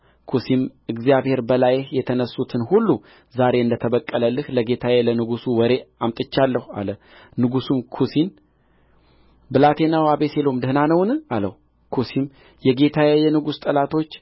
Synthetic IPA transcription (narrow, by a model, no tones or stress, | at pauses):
kʰusimɨɡzjaβhe̞ɾbəlajhjɛt̪ʰənəsːut̪ʰɨnhulːu | zaɾe̞ɨnd̪ət̪ʰəβəkʼːələlːɨhləɡe̞t̪ʰawelənɨɡusuwɔɾe̞amt̪ʼɨt͡ʃːalːəhua̰lə | nɨɡusumkʰusin | bɨlat̪ʰe̞nawaβeselo̞md̪ɨhnanəwnɨalə̰h | kʰusim | jɛɡe̞t̪ʰawejɛnɨɡust̪ʼəlat̪ʰo̞t͡ʃː